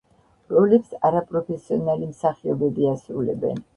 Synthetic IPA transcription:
ɾɔlɛpsaɾapʼɾɔpʰɛsiɔnalimsaχiɔbɛbiasɾulɛ̰bɛ̰n

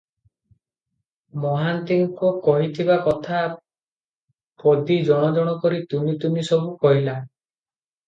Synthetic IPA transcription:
mɔɦant̪iŋkukɔɦit̪ʰibakɔt̪ʰa | pod̪id͡ʒɔɽ̃ɔd͡ʒɔɽ̃ɔkɔɾit̪unit̪unisɔbukɔɦila

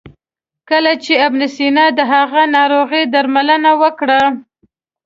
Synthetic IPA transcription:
kəlat͡ʃeabnɪsinɑd̪əɦaɣanɑɾoɣid̪aɾmalənawəkɽa

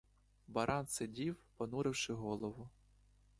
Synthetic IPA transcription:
bɐɾʔɑnsedʲiwpɐnuɾɪwʃɪɦɔlˠɔʋʊ

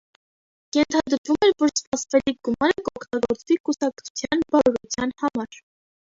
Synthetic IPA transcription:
jɛnt̪ʰɑd̪əɾvumɛɾvɔɾspɑsvɛliɡumɑɾəkəɔkʰt̪ɑɡɔɾt͡svikusɑk̚ʰt͡sʰu̥t͡sʰjɑnbɑɾɔɾut͡sʰjɑnhɑmɑɾ

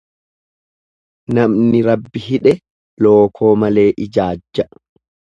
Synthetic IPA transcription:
nɐmnɪɾɐbːɪhɪᶑɛ | lo̞ːkʰo̞ːmɐle̞ːʔɪd͡ʒaːd͡ʒːɐ

